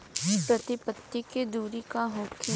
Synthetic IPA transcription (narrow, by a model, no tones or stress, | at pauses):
pɾɐt̪ɪpət̪ːiked̪uːɾikaɦoːkʰi